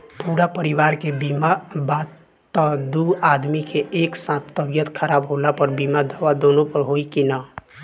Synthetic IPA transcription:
puɽapəɾiwaɾkebimabat̪ | t̪ːəd̪uad̪mikeeːksãt̪ʰt̪ːəbjət̪kʰəɾaːbɦolapəɾbimad̪awad̪onopəɾɦoikina

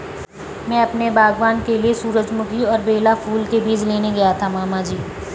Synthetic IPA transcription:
mɛ̃ːɐpnebaːɡʋaːnkeliesuːɾəd͡ʒmʊkʰiɔːɾbeːlafʰuːlkebiːd͡ʒleːneɡɐjat̪ʰamaːmad͡ʒiː

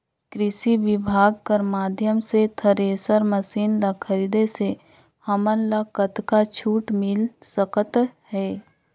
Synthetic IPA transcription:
kɾɪʃiʋɪbʱaːɡ̚kəɾmaːd̪ʱjəmset̪ʰəɾeːsəɾməsiːnlakʰəɾiːd̪ese | hɐmənlakət̪kat͡ʃʰuːʈmɪlsəkət̪hɛː

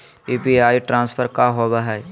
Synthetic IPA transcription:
piːpiaːiʈɾãːnspʰəɾkaɦoːɡaɦɛː

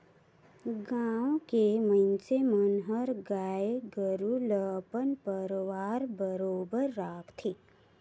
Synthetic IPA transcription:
ɡaːwkemə̃nt͡ʃemənɦəɾɡaːeɡəɾuləpənpəɾʋaːɾbəɾoːbəɾːaːkʰt̪ʰi

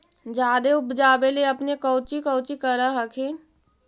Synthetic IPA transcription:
d͡ʒaːd̪eʊbd͡ʒaːbeleɐpnekɔːt͡ʃikɔːt͡ʃikəɾaɦɐkʰẽː

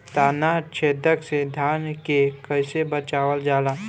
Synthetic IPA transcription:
t̪aːnat͡ʃʰeːd̪əksed̪ʱjaːnkekəɪsebət͡ʃaːʋəld͡ʒaːlaː

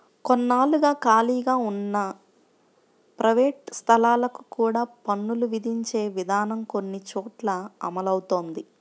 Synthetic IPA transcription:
konːaːluɡaːkaːliːɡaːunːɐ | pɾɐʋeːʈst̪ʰɐlaːlɐku̥kuːɽaːpɐnːuluʋid̪ʱiɲt͡ʃeːʋid̪ʱaːnɐmko̞nːit͡ʃoːʈlɐɐ̰mɐlɐwut̪o̞ːnd̪i

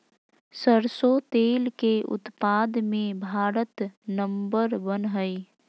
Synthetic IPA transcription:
səɾsot̪eːlkeʊ̰t̪paːd̪mẽbʱaːɾət̪nə̃mbəɾbənɦəi

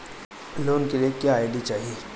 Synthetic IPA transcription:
loːnkeliekjaaɪɖit͡ʃaːɦieː

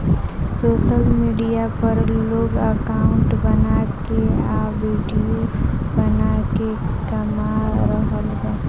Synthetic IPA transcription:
soːʃəlmiːɖijapəɾloːɡəkaʊɳʈbənakeaʋiːɖijobənake | kəmaɾəɦəlɡaː

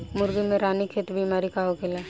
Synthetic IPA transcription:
mʊɾɡimẽɾaːnikʰeːt̪bimaːɾikaːɦokelaː

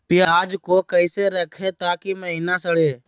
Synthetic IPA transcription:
pɪjaaːd͡ʒkoːkəɪseɾəkʰet̪aːkiməɦiːnasəɽeː

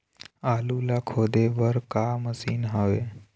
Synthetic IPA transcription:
aːlulakʰoːd̪eʋəɾkaməsiːnɦaʋe

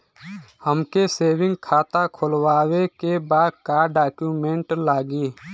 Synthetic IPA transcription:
həmkeseːʋɪ̃ŋɡkʰaːt̪akʰʊlwaːwekebaːd̪̚kaːɖaːkjuːmẽɳʈlaːɡiː

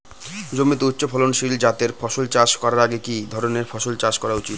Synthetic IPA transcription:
d͡ʑomit̪outːɕopʰɔlonʃild͡ʑat̪eɾfʰɔʃolt͡ɕaʃkɔɾaɾaɡekid̪ʱɔɾoneɾfʰɔʃolt͡ɕaʃkɔɾaut͡ɕit̪

